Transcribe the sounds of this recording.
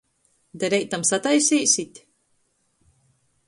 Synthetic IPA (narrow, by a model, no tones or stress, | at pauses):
d̪ɛɾɛjt̪ːamsat̪ajsʲiːsit̪ʲ